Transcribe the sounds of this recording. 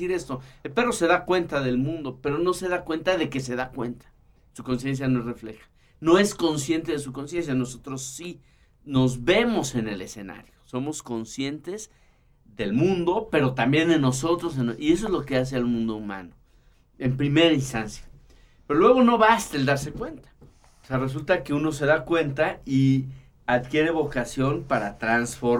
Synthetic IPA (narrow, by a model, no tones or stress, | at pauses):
iɾe̞st̪o̞elpe̞ro̞se̞ðakwe̞nt̪aðe̞lmũnd̪o̞pe̞ɾo̞no̞se̞ðakwe̞nt̪aðe̞ke̞se̞ðakwe̞̰nt̪ḁ | suko̞ns̬je̞ns̬janoere̞fle̞̰xḁ | no̞e̞sko̞nsje̞nt̪eðes̬uko̞ns̬je̞ns̬jano̞so̞t̪ɾo̞sːi | no̞zβe̞mo̞se̞ne̞le̞se̞na̰ɾjo̞so̞mo̞sko̞nsje̞nt̪e̞z | ðe̞lmũnd̪o̞pe̞ɾo̞t̪ambje̞nd̪e̞no̞so̞t̪ɾosenʔie̞s̬oe̞zlo̞ke̞as̬e̞almũnd̪ouma̰no | e̞mpɾime̞ɾainst̪ansja | peɾolwe̞ɣo̞no̞βast̪eld̪aɾse̞kwe̞nt̪ḁ | oseares̬ult̪ake̞uno̞s̬e̞ðakwe̞nt̪ai | aðkje̞ɾe̞βo̞kasjo̞npaɾat̪ɾansfo̞ɾ